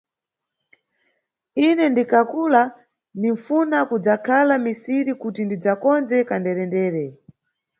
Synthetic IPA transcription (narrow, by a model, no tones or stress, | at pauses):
inɛndikakula | niɱfunakud͡zakʰalamisiɾikutindid͡zakɔnd͡zɛkandɛɾɛndɛːɾɛ